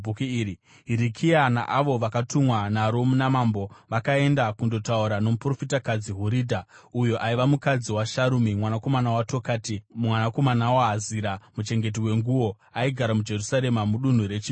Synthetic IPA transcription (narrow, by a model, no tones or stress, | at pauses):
ukuiːɾi | ɦiɾikʰiana̰ʔaʋo̞ʋakatumwanaɾo̞munamaːmbo̞ʋakae̞ndakundo̞tauɾano̞mupro̞fitakad͡ziɦuɾiːdʱaujo̞ʔaiʋamukad͡ziwaʃaɾumimwanako̞manawato̞kaːtimwanako̞manawaɦaziɾamut͡ʃe̞ŋɡe̞t̬iwe̞ŋɡuwo̞ | aiɡʱaɾamud͡ʒe̞rusaɾe̞mamuɗun̤uɾet͡ʃi